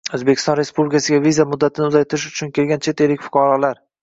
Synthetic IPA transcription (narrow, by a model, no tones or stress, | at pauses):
ɵzbekʲʰɪst̪ɒnɾe̞spublɪkʲasɪɡʲavizamʊd̪ːat̪ʰɪnɪʊzajt̪ʰɪɾɪʃ̬ʊ̥t͡ʃʰʊnkʲe̞lɡʲant͡ʃʰe̞t̪elːɪkʲfʊ̥qʰɑɾɒlaɾ